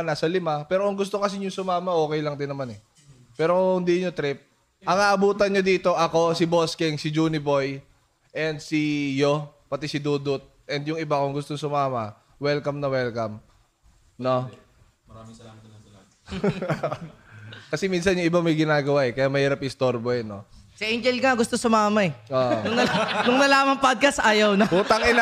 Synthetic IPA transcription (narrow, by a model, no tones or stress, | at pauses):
nasɐlɪmapɛːɾokʊŋɡʊst̪okɐs̬ɪɲʊŋsʊmaːmɐʔo̞ːkɛjlɐŋd̪ɪnːɐmanɛ | pɛːɾo̞hʊnd̪iɲot̪ɾɪp̚ | ʔɐŋaʔɐbuːt̪ɐnɲod̪iːt̪o̞ʔɐko̞sɪbo̞skɛŋsɪd͡ʒuːnɪbo̞j | ʔɛnd̪sijopɐt̪ɛsɪd̪uːd̪ʊt̪̚ʔɛnd̪jʊŋɪbakʊŋɡʊst̪oŋsʊmaːmɐ | wɛlkɐmnɐwɛlkɐm | no | ɐaɪɐa | kɐsɛmiːnsɐnjʊŋʔɪbamɐjɡɪnaːɡɐwaʔɛkɐjamɐhiːɾɐpɪst̪oɾboɛnːosɐʔejnd͡ʒɛlɡŋaɡʊst̪osʊmaːmɐɛoʔnʊŋnɐnʊŋnɐlaːmɐŋpod̪̚kɐst̪ʔaːjɐwnɐuːt̪ɐŋɪn